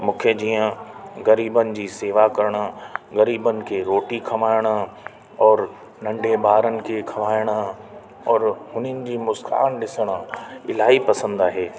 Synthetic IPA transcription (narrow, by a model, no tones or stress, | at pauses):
mũːkʰed͡ʑiːə̃ɣɐɾiːbənɪ̆d͡ʑiːseːʋakɐɾəɽ̃ɣɐɾiːbənɪ̆kʰeɾoːʈikʰɐʋaːɪɽ̃ | ɔːɾ | nɐ̃ɳɖebaːɾənɪ̆kʰekʰɐʋaːɪɽ̃ | ɔːɾhʊnənɪ̆d͡ʑiːmʊska̰ːnɗɪsəɽ̃əɪlaːɦipɐsə̃nd̪aːɦeː